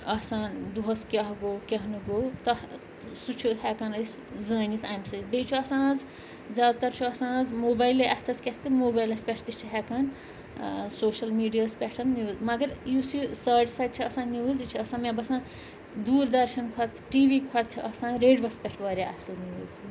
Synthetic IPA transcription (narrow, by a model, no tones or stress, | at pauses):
ɐsaːnd̪uɦɐskʲɐɦɡoːkʲɐɦnuɡowt̪ɐ | sut͡ʃʰuhɛkaːnəs | zəːnit̪ʰajmsɐjt̪bejt͡ʃʰuɐsãːd͡z | zaːd̪t̪ɐɾt͡ʃʰuɐsãːd͡zmoːbajleʔɐt̪ʰɐskʲet̪t̪ɨmoːbajlɐspʲɛʈʰt̪it͡ʃʰiɦɛkaːn | soːʃɐlmiːɖijaspʲɛʈʰɐnniɨzmɐɡɐɾjusisɐːɖsajd̪̚t͡ʃʰiɐsãːnːiʋɨzit͡ʃʰiɐsãːmẽbɐsãːn | d̪uːɾd̪ɐɾʃɐnkʰɐt̪ʈiːʋikʰɐt̪̚t͡ʃʰiʔɐsãːnɾeːɖbɐspʲɛʈʰʋɐːɾʲiɐ̰sɐlniuzi